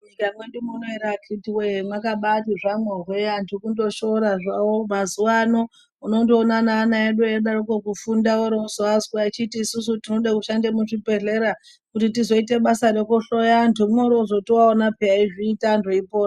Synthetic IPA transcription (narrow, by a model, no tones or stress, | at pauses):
mɲikamweɗumunoeɾakritiwemwakaɓatiʐamorwejantʰukundo̞ʃo̞ɾaʐawomazuwano̞ | unondoːnanaːnaeɗujeɗarokokufundawoɾeuzoazɡwait͡ʃitiːsus̬utino̞ɗakuʃandemuʐipe̞ɮe̞ɾa | kutitizo̞ite̞ɓasaɾe̞kuɬo̞jantumoɾoʐotiwaonapeaiʐiːtandoipoːra